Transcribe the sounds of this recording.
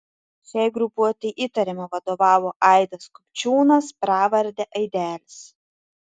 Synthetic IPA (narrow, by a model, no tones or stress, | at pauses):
sʲɛɪɡɾʊpuɔt̪ʲɛʔiːt̪ɐɾʲɪmɐʋɐd̪oːʋɑːʋoːʔɐɪd̪ɐskʊ̥pʲt͡ʃʲuːnɐspɾɑːʋɐɾʲd̪ʲɛʔɐɪd̪ʲæːlʲɪs